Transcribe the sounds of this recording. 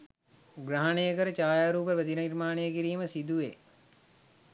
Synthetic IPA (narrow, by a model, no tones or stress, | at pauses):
ɡɾaɦanejəkəɾət͡ʃaːjaːɾuːp̬əʋəd̪inənirmaːnejəkiɾiːməsid̪uʋe